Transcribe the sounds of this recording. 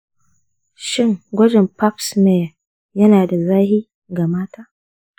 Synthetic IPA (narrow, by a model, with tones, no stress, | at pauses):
ʃɪ˦ŋɡʷɐ˦d͡ʒɪ˨mpa˦ksme˨ | jɐ˦naː˨da˨zaː˦hi˦ | ɡa˨maː˦taː˦